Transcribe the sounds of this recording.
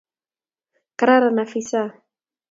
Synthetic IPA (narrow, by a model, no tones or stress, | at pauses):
kaɾaɾanafisa